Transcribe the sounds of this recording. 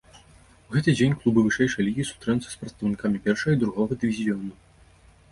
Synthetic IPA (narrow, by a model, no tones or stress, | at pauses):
uɣɛt̪ɨd͡zʲenʲklˠubɨvɨʂɛjʂɐjɐlʲiɣʲiisu̥st̪ɾɛnut̪sɐ̥spɾɐt̪st̪ɐwnʲikamʲipʲɛrʂɐɣɐid̪ɾuɣɔɣɐd̪ɨvʲizʲijɔnu